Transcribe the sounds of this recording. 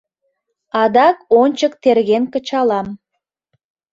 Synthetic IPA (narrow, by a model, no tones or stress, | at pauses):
ɑd̪ɑkonʲt͡ɕəkt̪erɣenkət͡ɕɑlɑm